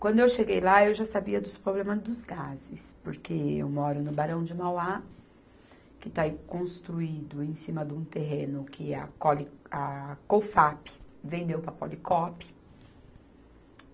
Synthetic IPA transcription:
kwɐ̃nd̪ʊewʃeɡejlaewʒasabiɐd̪ʊspɾoblẽmɐzd̪ʊzɡazɪspoɾkeḛwmɔɾʊnʊbaɾɐ̃w̃d͡ʒɪmawa | kɪt̪aikõst̪ɾuid̪ʊẽj̃sĩmɐd̪ũt̪eɦẽnʊkʰɪɐ̰kɔliɐkofapɪ̥vẽnd̪ewpɾɐpo̰likɔpɐ̥

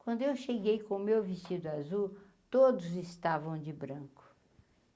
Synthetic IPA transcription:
kwɐ̃nd̪ʊewʃeɡejkõʊmewvisid̪ʊazu | t̪od̪ʊzɪst̪avɐ̃w̃d͡ʒɪbɾɐ̃kʊ̥

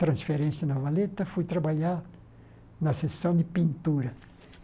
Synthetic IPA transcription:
t̪ɾɐ̃sfeɾẽsjɐnavalet̪ɐfujt̪ɾabaʎaɾ | nɐsesɐ̃w̃d̪ɪpĩnt̪uɾɐ

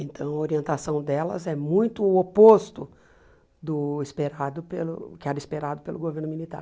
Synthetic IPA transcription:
ẽnt̪ʰɐ̃w̃ɐoɾiẽnt̪asɐ̃w̃d̪ɛlɐ̰zɛmũj̃t̪ʊʊopost̪ʊ | d̪ʊispeɾad̪ʊpelʊkɪɛɾɐispeɾad̪ʊpelʊɡoveɾnʊmilit̪a̰ɾ

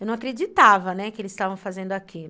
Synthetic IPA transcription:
ewnɐ̃w̃akɾed͡ʒit̪avɐnɛkɪelɪsst̪avɐ̃w̃fazẽnd̪ʊaki

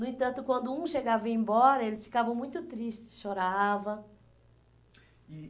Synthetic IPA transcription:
nʊẽt̪ɐ̃nt̪ʊkwɐ̃nd̪ʊũʃeɡavɐẽbɔɾɐelɪsfi̥kavɐ̃w̃mũj̃t̪ʊt̪ɾiʃt͡ʃɪ̥sʃoɾavɐ

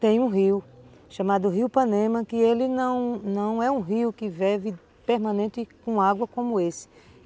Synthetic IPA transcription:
t̪ẽj̃ũɦiwʃɐ̃mad̪ʊɦiwpɐ̃nẽmɐ̃kɪelɪnɐ̃w̃nɐ̃w̃ɛũɦiwkɪvɛvɪ | peɾmɐ̃nẽnt̪ɪkõaɡwɐkõmʊesɪ̥

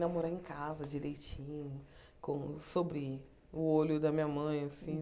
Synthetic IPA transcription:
namoɾaẽkazɐd͡ʒiɾejt͡ʃĩɲʊ | kõsobɾɪ | ʊolʊd̪ɐmĩɲɐmɐ̃j̃asĩ

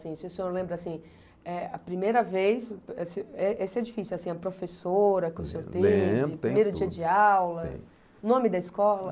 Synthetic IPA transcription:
sĩsɪesẽoɾlẽmbɾʊasĩ | ɛɐpɾimejɾɐvejsɛsɪɛʔesɪɛd͡ʒifisiwasĩɐpɾofesoɾɐkewsẽoɾt̪ẽp̪imejɾʊd͡ʒd͡ʒiɐd͡ʒɪawlɐ | nõmɪd̪ɐiskɔlɐ

